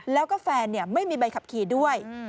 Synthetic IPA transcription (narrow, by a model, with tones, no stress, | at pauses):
lɛː˦˥wkɔː˥˩fɛː˧nːi˥˩əma˥˩jmiː˧ba˧jkʰa˨˩p̚kʰiː˨˩˦du˥˩əj